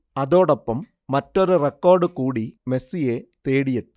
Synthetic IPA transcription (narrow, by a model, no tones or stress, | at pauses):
ɐðo̞ːɽɐpːɐmː | ɐtːoɾurekːo̞ːrɖɨkuːɽime̞sijet̪eːɽijɐt̪ːɨ